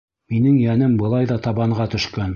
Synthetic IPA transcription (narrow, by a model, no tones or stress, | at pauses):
minɘŋjænɘmbɤ̆lˠɑjðɑt̪ɑβɑɴʁɑt̪ɵ̆ʃkæn